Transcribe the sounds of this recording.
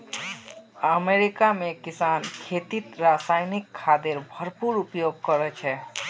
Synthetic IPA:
əmeɾikamẽkɪsaːnkʰeːt̪it̪ɾasaːjnikʰːaːd̪eɾbʱəɾpuɾupjoɡ̚kəɾɛt͡ʃʰɛ

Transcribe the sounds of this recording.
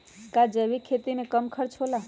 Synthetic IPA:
kad͡ʒəbikʰet̪imekəmkʰəɾt͡ʃʰɦola

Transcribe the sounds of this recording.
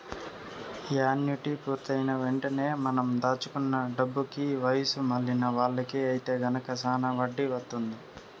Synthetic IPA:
aːnjuʈipuːɾt̪ɐjnɐʋeɳʈɐne̞ːmɐnɐmd̪aːt͡ʃu̥kunːɐɖɐbːukiʋɐjɐsumɐlːinɐʋaːɭːɐkiɐjit̪e̞ːɡɐnɐkɐsaːnɐʋɐɖːiʋɐt̪ːund̪i

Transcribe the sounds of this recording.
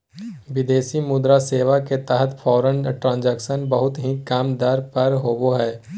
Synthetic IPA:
ʋɪd̪eːsimʊd̪ɾaseːʋaket̪ɛɦət̪fʰɔːɾənʈɾãːnd͡ʒɛːkʃənbəɦʊt̪ɦikaːmd̪əɾpɐɾɦoːboɦɛː

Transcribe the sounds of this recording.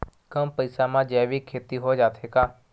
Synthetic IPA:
kəmpəɪsamãd͡ʒɛːʋikʰːeːt̪iɦod͡ʒaːt̪ʰekaː

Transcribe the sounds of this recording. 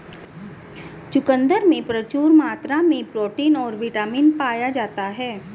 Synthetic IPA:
t͡ʃʊkə̃nd̪əɾmẽpɾət͡ʃuːɾmaːt̪ɾamẽpɾoːʈiːnɔːɾʋɪʈaːmiːnpaːjad͡ʒaːt̪aɦɛː

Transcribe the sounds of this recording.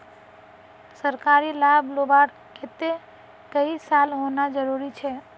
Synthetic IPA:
səɾkaɾilablobaɾ | ket̪e | kəisalɦonad͡ʒəɾuɾit͡ʃʰɛ

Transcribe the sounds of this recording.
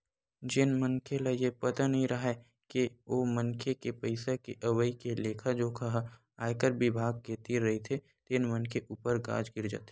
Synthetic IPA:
d͡ʒɪnmənkʰelajepɐt̪anɐɦĩɾɐɦa | kioːmɐnkʰekepɐɪsakeʔɐwəikeleːkʰad͡ʒoːkʰɐɦa | aːjkəɾbɪbʱaːɡ̚ket̪iɾːɐɦit̪ʰe | t̪ɪnmənkʰeʔuːpəɾɡa̰ːd͡ʒɡɪɾd͡ʒə̰t̪ː

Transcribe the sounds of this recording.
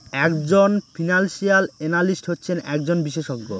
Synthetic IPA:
ɛkd͡ʑonfʰinanʃialenalisʈɦotːɕʰenɛk̚d͡ʑonbiʃeʃoɡːo̰

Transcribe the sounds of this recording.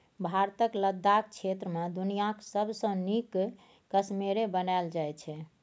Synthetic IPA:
bʱaɾt̪əkləd̪ːak̚t͡ʃʰet̪ɾəmẽd̪unijaksəbʱsə̃nikː | əsmeɾebənald͡ʒajt͡ʃʰɛ

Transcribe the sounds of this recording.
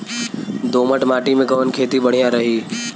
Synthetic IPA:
d̪oːməʈmaːʈimẽɡɐʋənkʰeːt̪ibɐɽ̤ijãɾɐɦiː

